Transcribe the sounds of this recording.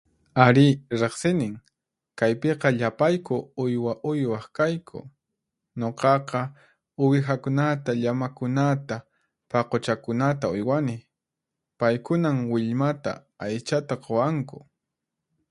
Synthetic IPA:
aɾɪɾeχsɪnɪŋ | kajpeqɑʎapajkʊʊjwaʔʊjwɑχkajkʰʊ̰ | ɲoqɑqɑ | ʊwɪxakʊnat̪aʎamakʊnat̪a | pɑqot͡ʃakʊnat̪aʊjwanɪ | pajkʊnamwɪʎmat̪a̰ | ajt͡ʃat̪aqowaŋkʊ̥

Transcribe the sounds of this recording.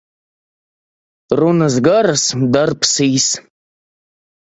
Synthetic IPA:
runɨzɡarasdarpʰsijs

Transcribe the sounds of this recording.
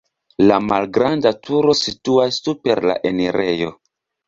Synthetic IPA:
lamalɡɾandatʰuɾo̞situastupe̞ɾla̰ʔe̞neɾe̞jo̞

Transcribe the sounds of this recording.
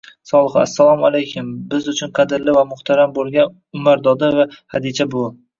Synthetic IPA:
sɒlˠɨχa̰sːalˠɒmalˠejkʲʰʊmbɪzʊt͡ʃʰʊnqʰɑd̪ɪɾlɪvamʊht̪ʰaɾambolˠɡʲan | ʊmaɾd̪ɒd̪avahad̪ɪd͡ʒʰabʊ

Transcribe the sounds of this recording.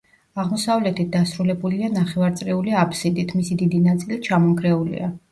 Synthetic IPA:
aʁmɔsavlɛt̪ʰit̪̚d̪asɾulɛbulianaχɛvaɾt̪sʼɾɛuliapʰsid̪it̪ʰmisid̪id̪inat̪sʼilit̚t͡ʃʰamɔmkʰɾɛulḭa

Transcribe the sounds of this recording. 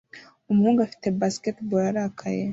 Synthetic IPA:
umhuɡafi̥t̪ʰebaskʲet̪boɾaɾakʰaje

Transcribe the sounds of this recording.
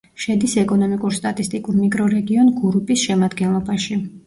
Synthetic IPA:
ʃɛd̪isɛkʼɔnɔmikʼuɾst̪ʼat̪ʼist̪ʼikʼuɾmikʼɾɔɾɛɡiɔnɡuɾupʼisʃɛmad̪ɡɛnlˠɔbaʃi

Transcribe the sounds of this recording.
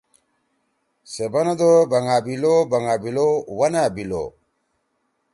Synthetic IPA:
sebɐnɐd̪obɐŋabilobɐŋabilowɐnabilo̰

